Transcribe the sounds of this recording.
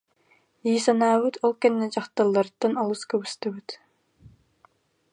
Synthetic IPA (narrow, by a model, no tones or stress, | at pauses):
jiːsanaːβɯt̪ʰɔlˠkɛnːɛd͡ʒaχt̪alˠːaɾt̪ːanɔlˠuskœβyst̪ɛβyt̪